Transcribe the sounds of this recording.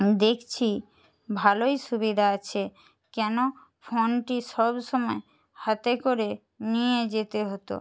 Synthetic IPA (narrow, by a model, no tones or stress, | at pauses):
d̪ekʰt͡ɕʰi | bʱalojʃubid̪ʱaat͡ɕʰe | kɛno | fonʈiʃɔbʃɔmɔe | hat̪ekoɾe | nijed͡ʑet̪eɦot̪o̰